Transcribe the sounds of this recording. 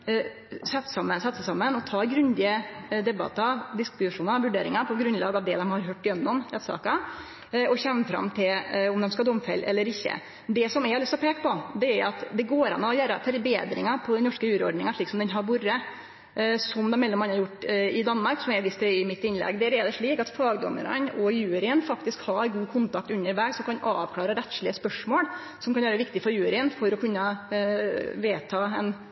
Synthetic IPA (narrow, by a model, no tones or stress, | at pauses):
sɛt̪ːsɑmːənsɑt̪səsɑmːənɔt̪ʰɑːɡɾʉnd̪ɪəd̪ɛbɑ̰t̪ːɑd̪ɪskɪb̪ʂuːnəɾʋʉɖeːɾɪŋɑpʰɔɡɾʉnlɑ̰ːɡɑʋd̪ɛd̪ɛmhɑɾɦøːʈːɪjɛnːɔmɛːt̪sɑ̰ːkɑ | ɔçɛnːəfɾɑ̰mt̪ʰɪlɔmd̪ɛmskɑd̪ɔmfɛ̰lːɛ̰lːəɾɪçːə̰ | d̪ɛsɔmɛɑlʏst̪ɔpʰeːkːə̥pɔd̪ɛæɾɑt̪d̪ɛɡoːɾɑ̰nːɑɔjœːɾəfœɾbḛːd̪ɾɪ̰ŋɑpʰɔd̪ɛnnɔʂkəjʉːɾəɔ̰ɖɳɪŋɑʂɭiːksɔmd̪ɛnɦɑɾbʊɾə | sɔmd̪ɛmɛlːɔmɑnɑɾjʊʈːɪd̪ɑnːmɑɾksɔmɛɾʋɪst̪ɛɪmɪt̪ːɪnlɛ̰ɡd̪ɛæɾɛd̪ɛʂɭiːkɑt̪fɑːɡd̪ɔ̰mːə̰ɾə̰nɔjʉːɾɪənfɑkt̪ɪskhɑɡuːkʰʊnt̪ɑk̚t̪ʉnːəɾʋæːɡsɔmkɑnɑːʋkʰlɑːɾəɾɛt̪ʂɭɪəspœʂmoːɽ | sɔmkʰɑnʋæːɾəʋɪkt̪ɪfɔɾjʉːɾɪənfɔɾɔkʰʉnːə | ʋeːt̪ʰɑːɛn